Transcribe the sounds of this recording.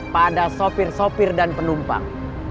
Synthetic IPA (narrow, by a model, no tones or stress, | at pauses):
padasopɪrsopɪrdanpənumpa̰ŋ